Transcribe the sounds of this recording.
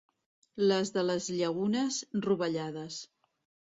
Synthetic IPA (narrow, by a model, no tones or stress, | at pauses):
ləzðələzʎəɣunəzruβəʎaðəs